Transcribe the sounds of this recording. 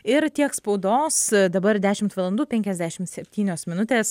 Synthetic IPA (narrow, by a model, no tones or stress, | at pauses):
ɪɾt̪ʲiɛkspɐʊd̪oːsd̪ɐbɐɾd̪ʲæːʃʲɪmt̪ʋɐlˠɐnd̪uːpʲɛŋʲkʲɛzʲd̪ʲæːʃʲɪmsʲɛpʲt̪ʲiːnʲoːsmʲɪnʊt̪ʲeːs